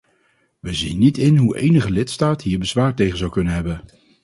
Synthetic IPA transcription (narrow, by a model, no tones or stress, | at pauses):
ʋəzḭnːitɪnɦuʔḛjnəχəlɪtstaːtɦiːɹbəzʋaːɹtejχənzɑwkɵnənɦɛbən